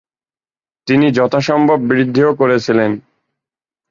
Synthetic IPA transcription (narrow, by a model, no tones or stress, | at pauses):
t̪inid͡ʑɔt̪ʰaʃɔmbʱobːɾid̪ʱːiokoɾet͡ɕʰilen